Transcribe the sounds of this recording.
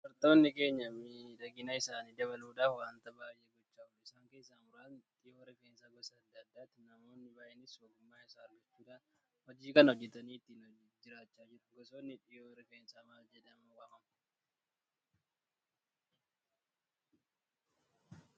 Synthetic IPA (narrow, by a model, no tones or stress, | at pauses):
fɐɾt̪o̞ːnːɪke̞ːɲːɐmiᶑɐɡɪnɐɪsaːniːd̪ɐβɐluːᶑaːfwaːnt̪ɐbaːjʔeɡɔt͡ʃːaːʊlɪsaːŋke̞ːsːaːmʊɾaːnᶑ̪ɪjowɔɾɛkɐnsaɡɔsɐːd̪ːɐd̪ːaːt̪ːɪnɐmo̞ːnːɪbaːʔenɪswɐɡʊmːaːɪsaːɐɾɡɐt͡ʃːuːᶑaːn | hɔd͡ʒiːkɐnhɔd͡ʒːɛt̪ɐniːt̪ːiːnd͡ʒɪɾaːt͡ʃːaːd͡ʒɪɾʊɡɔsoːnːɪᶑɪjoːwɔɾɛkɐnsɐmaːd͡ʒɛd̪ɐmɐkaːkɐm